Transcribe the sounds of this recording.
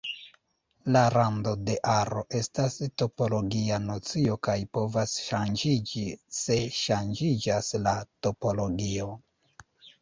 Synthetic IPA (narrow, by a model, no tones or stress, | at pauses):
laɾando̞de̞ʔaɾo̞ʔe̞stasto̞po̞lo̞ɡianot͡sio̞kajpo̞vasʃand͡ʒid͡ʒise̞ʃand͡ʒid͡ʒaslato̞po̞lo̞ɡio̞